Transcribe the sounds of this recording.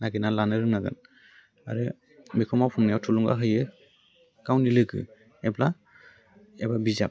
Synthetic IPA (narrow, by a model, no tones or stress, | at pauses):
naɡɯnalanɯɾɯŋnaɡɯ̰n | a̰ɾɯ | mikʰɔmapʰɔmnajawtʰulɔŋɡa̰ɦɯjɯ | ɡ̥awnilɯɡɯ̰ | ɛbla | ɛbabizap̚